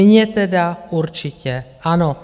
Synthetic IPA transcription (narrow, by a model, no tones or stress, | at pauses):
ɲɛt̪ɛdauɾt͡ʃɪcɛʔano